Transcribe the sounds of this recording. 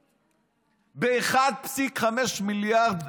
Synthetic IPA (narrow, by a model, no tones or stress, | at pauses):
beːχad̪̚psikχameʃmiljaʁd̪